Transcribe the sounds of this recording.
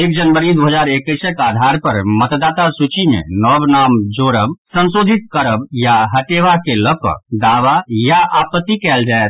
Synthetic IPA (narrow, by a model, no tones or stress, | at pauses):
ekd͡ʒənʋəɾid̪uɦəd͡ʒaɾekəɪsəkad̪ʱaɾpəɾmət̪d̪at̪asut͡ʃimḛ̃nɔbnaːmd͡ʒoɾəbsənsod̪ʱit̪̚kəɾəbjaɦət̪eʋakelɔkɔ̰d̪aʋajaʔapət̪ːikɛld͡ʒaet̪ʰ